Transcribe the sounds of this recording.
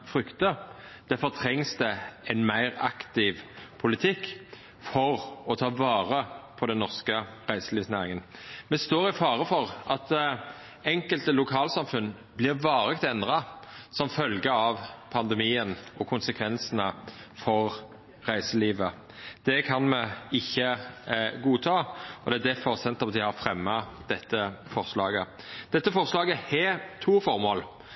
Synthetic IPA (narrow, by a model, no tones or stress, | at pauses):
fɾʏkt̪əd̪̥ɛfɔɾt̪ʰɾɛŋsd̪ɛɛɪnmæɪʁɑ̰kt̪ɪʋpʰʊlɪt̪ʰɪkː | fɔʁɔt̪ʰɑːʋɑːʁəpʰɔd̪ɛnːɔʁskəʁæɪsəliːsnæːɾɪŋənmɛst̪oːɾɪfɑːʁəfɔʁʔɑt̪ | ɛŋkəlt̪əlʊkʰɑːlsɑmfʉn | blɪʁʋɑːʁɛkt̪ɛnd̪ʁɑsɔmfœlɡəɑʋpʰɑnd̪ɛmiːənɔkʰʊnsəkʰʋɛnsənəfɔɾ | ʁæɪsəliːʋə | d̪̥ɛkʰɑnmɛɪçːə | ɡuːt̪ʰɑːɔd̪ɛæd̪ɛfɔɾsɛnt̪ɑmd̪ɪhɑɾfɾɛmːɑd̪ɛt̪ːəfɔʁslɑːɡə | d̪̥ɛt̪ːəfɔʁslɑːɡəhɛt̪ʰuːfɔɾmoːl